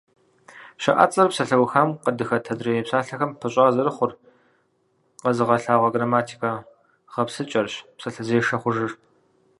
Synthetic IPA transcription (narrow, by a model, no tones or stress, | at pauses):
ɕɐʔa̰ːt͡sʼɐrpsɐɬɐwxaːmqədɨxɐtʰɐdrɐjepsaːɬɐxɐmpʰɨɕʼaːzɐɾɨχʷʊr | qɐzɨʁɐɬaːʁʷɐɡraːmaːtʰi̥kʰa | ʁɐpsɨt͡ʃʼɐrɕpsɐɬɐzeːʂɐχʷʊʒɨr